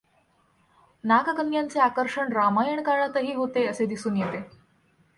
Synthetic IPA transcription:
nakakənjant͡seakəɾʂəɳɾamajəɳkaɭat̪əɦiːɦot̪eəsed̪isuːnjet̪e

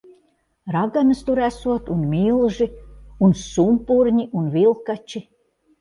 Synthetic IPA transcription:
ɾaɡanɨst̪uɾæsuɔt̪unmʲilˠʒiunsumpuɾɲiʔunvilˠkat͡ʃi

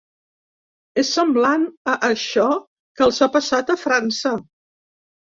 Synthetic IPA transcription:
esːəmblanəʔːʃɔ | kəlˠzapəsat̪əfɾansə

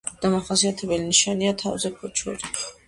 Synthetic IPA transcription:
d̪̥amaχasiat̪ʰɛbɛliniʃaniat̪ʰavzɛkʰɔt͡ʃʰɔ̰ɾi

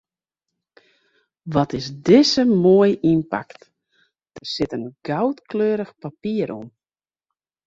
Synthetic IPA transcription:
ʋɔtɪsdɪsəmoəjinpa̰kt | d̥ərsɪtənɡ̥awtkløːɾəxpapiəɾʔom

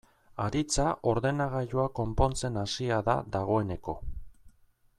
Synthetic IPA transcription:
aɾit͡saʔo̞ɾðe̞naɣ̞aʎoako̞mpo̞nt͡se̞nasiaða̰ðaɣ̞o̞e̞ne̞ko̞

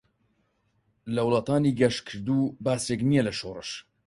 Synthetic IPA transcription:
lɐwlˠɑːt̪aːniɡɐʃkʰɨɾd̪uːbaːseknijɛlɐʃoːrɨ̰ʃ

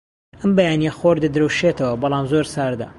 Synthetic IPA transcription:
ʔɐmbɐjaːnjɐxoɾd̪ɐd̪ɾɐwʃet̪ʰɐwɐbɑlˠɑːmzoɾsaːɾd̪ɐ̰

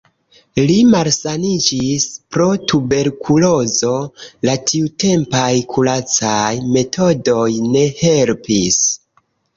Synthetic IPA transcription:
limalsanid͡ʒispɾo̞tube̞ɾkʰulo̞zo̞latʰiute̞mpajkʰulat͡sajme̞tʰo̞do̞jne̞he̞lpis

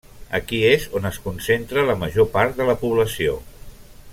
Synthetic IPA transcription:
əkiezonəskunsent̪ɾələməʒopaɾt̪̚d̪ələpuβləsio

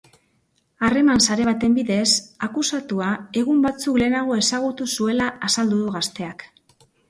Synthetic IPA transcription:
are̞mansaɾe̞βat̪e̞mbiðe̞sakusat̪uae̞ɣ̞umbat͡sukle̞ːnaɣ̞o̞e̞saɣ̞ut̪usue̞laasald̪uðuɣast̪e̞ak

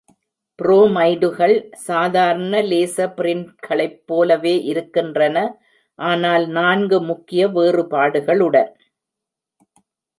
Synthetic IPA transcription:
pɪɾoːmɐɪɖɯɣɐɭsaːðaːɾɐnɐleːsɐpɪɾɪnʈ̚ɣɐɭɐɪpːoːlɐʋeːʔɪɾɯkːɪndrɐnɐ | ʔaːnaːlnaːnɡɯmʊkːɪjɐʋeːrɯpaːɽɯɣɐɭɯɽɐn

